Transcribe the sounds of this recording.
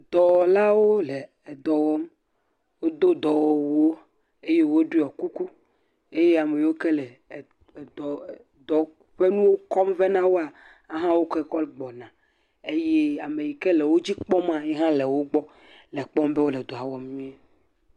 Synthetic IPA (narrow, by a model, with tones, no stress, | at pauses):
d̪̥ɔ˨wɔ˨la˦wo˦le˨ | d̪ɔ˨wɔ˦m | wo˦d̪o˦d̪ɔ˨wɔ˨wwo˦ | e˦je˦wo˦ɖu˦˨ɔ˨ku˦ku˦ | e˦je˦a˨me˨ji˨wo˦kɛ˦lɛ˨ | d̪ɔ˨ | d̪ɔ˨ | ɸe˦nũ˦wo˦kɔ˦mve˦nã˦wo˦a˨ | a˦ɦã˦wo˦ke˦kɔ˦lɡ͡bɔ˨nã˨ | e˦je˦a˨me˨ji˨kɛ˦le˨wo˦d͡ʑi˦k͡pɔ˦mã˨ɲɛ˦ɦã˦le˨wo˦ɡ͡bɔ˦ | lɛ˨k͡pɔ˦mbe˦wo˦lɛ˨d̪o˨a˨wɔ˦mmĩ˦e˦